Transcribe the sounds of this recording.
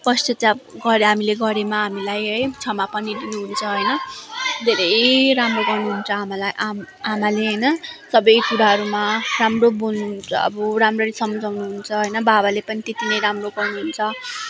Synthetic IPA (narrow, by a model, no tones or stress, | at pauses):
pʌst͡sʌt̪abɡʌɾeɦamileɡʌɾemaɦamilajɦʌjt͡sʰʌmapʌnid̪inuɦunt͡sʰʌɦʌjnʌd̪ʱeɾʌjɾamroɡʌrnuɦunt͡sʰʌɦamalajʔam | amaleɦʌjnʌsʌbʌjkuɾaɦʌɾumaramrobununt͡sʌʌ̰bʌɾamrʌɾisʌmʌd͡zawnuɦunt͡sʰʌɦʌjnʌbabalepʌnit̪et̪inʌjɾamroɡʌrnuɦunt͡sʰʌ